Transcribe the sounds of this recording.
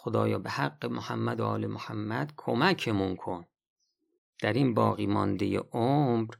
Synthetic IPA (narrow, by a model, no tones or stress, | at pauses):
xod̪ɒːjɒ̰ːbehæɡːemohæmːæd̪oɒːlimohæmːæd̪̥kʰo̞mækʰemuŋkʰo̞n | d̪̥æɾinbɒːɣiːmɒnd̪ejḛʔomɾ